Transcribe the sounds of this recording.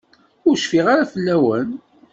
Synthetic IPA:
ʊɾʃfiʁaɾafəlːæwən

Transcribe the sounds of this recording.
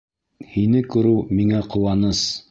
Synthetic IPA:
hinɘkɵ̆ɾɘwmiŋæqŏwɑnɤs

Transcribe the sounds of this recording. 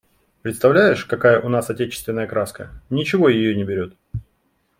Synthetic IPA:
pɾʲɪt̪st̪ɐvlʲæjɪʂkɐkajəʔʊnasɐtʲet͡ɕɪ̥st̪vʲɪnːəjəkɾʔaskə̰nʲɪt͡ɕɪvo̞jɪjonʲɪbʲɪɾʲo̞t̪̚

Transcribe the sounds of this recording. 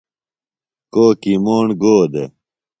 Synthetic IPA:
koːkimoːɳɡoːd̪ḛ

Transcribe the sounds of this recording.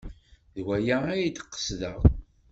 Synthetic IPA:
ðwæjaæjt̪ə̥qːə̥sðəʁ

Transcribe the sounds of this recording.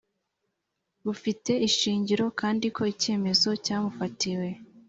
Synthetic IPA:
βufite̞iʃiːɲɟiɾo̞kaːndikʰoice̞ːme̞zo̞caːmufatiwe̞

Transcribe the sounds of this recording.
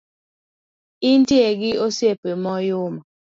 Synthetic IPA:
ɪnteɡɪosjepemɔjʊma

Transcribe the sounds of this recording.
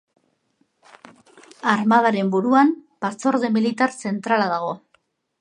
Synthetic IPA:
aɾmað̞aɾe̞mbuɾuampaso̞ɾðe̞milit̪aɾse̞nt̪ɾalaðaɣ̞o̞

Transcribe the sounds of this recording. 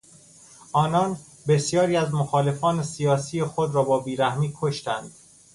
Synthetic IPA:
ʔɒːnɒːn | be̞sjɒːɾiːæzmoxɒːle̞fɒːne̞sijɒːsiːjexod̪ɾɒːbɒːbiːɾæhmiːkʰoʃt̪ænd̪̥

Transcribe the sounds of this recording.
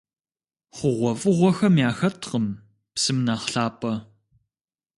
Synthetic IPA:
χʷʊʁʷɔfʼɨʁʷɔxɐmjaːxɐtʰqəm | psɨmnaːχɬaːpʰʼɐ

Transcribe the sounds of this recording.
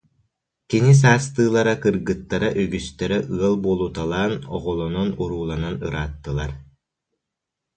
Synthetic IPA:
kinis̬aːst̪ɯːlˠaɾakɯɾɡɯt̪ːaɾaʔyɡyst̪ɛɾɛʔɯɐlˠbuːlˠut̪alˠaːnɔʁɔlˠɔnɔnuɾuːlˠananɯɾaːt̪ːɯlˠaɾ

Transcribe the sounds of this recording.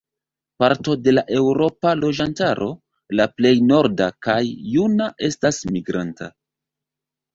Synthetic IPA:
paɾto̞de̞laʔe̞wɾo̞palo̞d͡ʒantaɾʔo̞ | laple̞jno̞ɾdakajːunaʔe̞stasmiɡɾanta̰

